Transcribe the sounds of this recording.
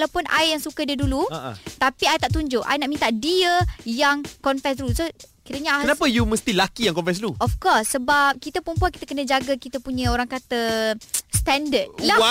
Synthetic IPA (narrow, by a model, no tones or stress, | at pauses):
lawpʊnʔa̰jjaŋsukadiadulṵt̪apiajt̪aʔt̪uɲd͡ʒʊʔajnaʔmĩnt̪aʔdiəjaŋkɔnfɛs̬dulusokiɾəɲəakənapajuməst̪ilakijaŋkɔnfɛs̬dluɔfkɔsːəbap̚kit̪apəɾəmpuankit̪akənəd͡ʒaɡakit̪apuɲãoɾaŋkat̪ə | st̪ɛndədla